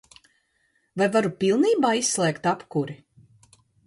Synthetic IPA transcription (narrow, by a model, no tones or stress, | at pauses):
vajvaɾupilˠniːbaːisːlˠɛːkt̪apkuɾi